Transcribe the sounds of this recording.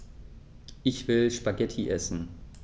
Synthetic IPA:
ʔɪçv̥ɪlʃpaɡɛtʰiʔɛsn̩

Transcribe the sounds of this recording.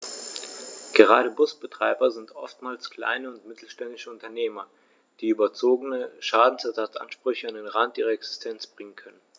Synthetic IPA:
ɡ̥əʁ̞aːɾəbʊsb̥ətʁ̥aɪbɐzɪntʔɔ̰ftmaːlskl̥a̰ɪnəʊntmɪtʰl̩ʃtɛndɪʃəʊntɐneːmɐ | d̥iːyːbɐt͡soːɡənəʃaːdn̩sɛɐzat͡sʔa̰nʃpʁ̥ʏçəandeːnʁantʔiːʁ̞ɐɛksɪ̥stʰɛnt͡sb̥ʁɪŋənkʰœnən

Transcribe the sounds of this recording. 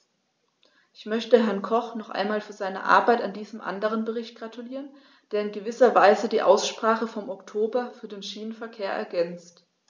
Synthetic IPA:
ʔɪçmœçtəɦɛɐnkʰɔχnɔχʔa̰ɪnmaːlfyːɐzaɪnə̰ʔa̰ɐbaɪtandiːzəmʔa̰ndəʁ̞ənbəʁɪçt̚ɡ̥ʁatʰuliːʁən | d̥eːɐɪnɡəvɪsɐvaɪzədiːʔa̰ʊsʃpʁ̥aːχəfɔmɔktʰoːbɐfyːɐdeːnʃiːnənfɛɐkʰeːɐʔɛ̰ɐɡɛnt͡st

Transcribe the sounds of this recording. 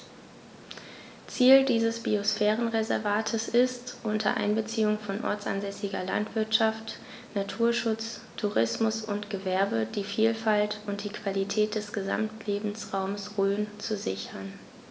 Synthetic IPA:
t͡siːldiːzəsb̥iosfɛːʁənʁezɛɐvaːtʰəsɪstʔʊntʰɐ̰ʔa̰ɪnbət͡siːʊŋfɔnʔɔ̰ɐt͡sa̰nzɛsɪɡɐla̰ntv̥ɪɐtʃaft | natʰuːɐʃʊt͡s | tʰuʁɪsmʊsʊntɡ̥əvɛɐbədiːfiːlfaltʊnt̚d̥iːkv̥alitʰɛːt̚d̥ɛsɡ̥əza̰mtʰleːbm̩sʁaʊmsʁøːnt͡suzɪçɐn

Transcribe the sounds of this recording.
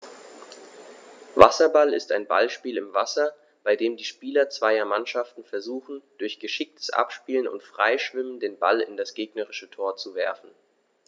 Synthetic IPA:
va̰sɐbalɪstaɪnba̰lʃpiːlɪmvasɐ | b̥aɪdeːmdiːʃpiːlɐt͡sv̥aɪɐmanʃaftn̩fɛɐzuːxn̩d̥ʊɐçɡ̥əʃɪk̚tʰə̥sʔa̰pʃpiːlənʊ̰ntfʁ̥a̰ɪʃv̥ɪməndeːnba̰lɪndasɡ̥eːɡnəʁɪʃətʰoːɐt͡suvɛɐfn̩

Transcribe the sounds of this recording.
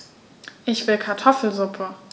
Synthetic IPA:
ʔɪçv̥ɪlkʰaɐtʰɔfl̩zʊpʰə

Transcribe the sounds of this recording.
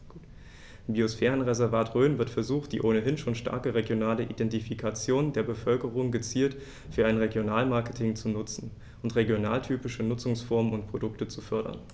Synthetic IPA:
biːosfɛːʁ̞ənʁezɛɐvaːtʁøːnvɪɐtfɛɐzuːxtd̥ḭːʔoːnəɦɪnʃoːnʃta̰ɐkəʁeɡjonaːləʔidɛntifikʰat͡sjoːndeːɐbəfœlkəʁʊŋɡət͡siːlt | fyːɐaɪnʁeɡjonaːlmaɐkətʰɪŋt͡sunʊt͡sn̩ | ʔʊntʁeɡjona̰ːltʰyːpɪʃənʊt͡sʊŋsfɔɐmənʊntpʁ̥odʊktət͡sufœɐɾɐ̰n

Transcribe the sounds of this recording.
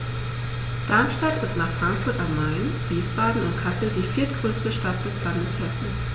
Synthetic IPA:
d̥amʃtatɪstnaːχfʁ̥aŋkfʊɐtammaɪnv̥iːsb̥aːdn̩ʊntkʰasl̩diːfiːɐt̚ɡ̥ʁøːstəʃtat̚d̥ɛslandəshɛsn̩

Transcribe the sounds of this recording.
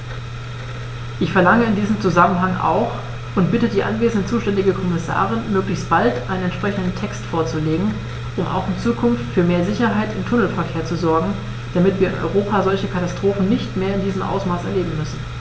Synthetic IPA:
ʔɪçfɛɐlaŋəɪndiːzəmt͡suzamənɦaŋʔa̰ʊx | ʔʊntb̥ɪtədiːʔa̰nveːzn̩dət͡suːʃtɛndɪɡəkʰɔmɪsa̰ːʁ̞ɪnmøːklɪçstb̥altʔaɪnənɛntʃpʁ̥ɛçn̩dn̩tʰɛkstfoːɐt͡suleːɡŋ̩ | ʔʊmʔa̰ʊxɪnt͡suːkʰʊnftfyːɐmeːɐzɪçɐɦaɪtɪmtʰʊnl̩fɛɐkʰeːɐt͡suzɔɐɡŋ̩ | d̥amɪtv̥iːɐɪ̰nʔɔ̰ʏʁ̞oːpʰaːzɔlçəkʰatastʁ̥oːfn̩nɪçtmeːɐɪndiːzəmʔa̰ʊsmaːsɛɐleːbm̩mʏsn̩

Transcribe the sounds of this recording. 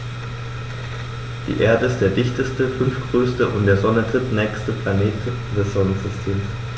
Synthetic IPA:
d̥ḭːʔeːɐdəɪst̚d̥eːɐdɪçtəstəfʏnfɡ̥ʁ̥øːstəʔʊ̰ntd̥eːɐzɔnətʁ̥ɪtnɛːçstəplaneːt | dɛsz̥ɔnənzɪstʰeːms

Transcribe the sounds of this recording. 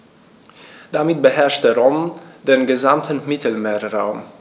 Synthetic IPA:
d̥amɪt̚bəɦɛɐʃtəʁomdeːnɡəzamtʰənmɪtʰəl̩meːʁaʊm

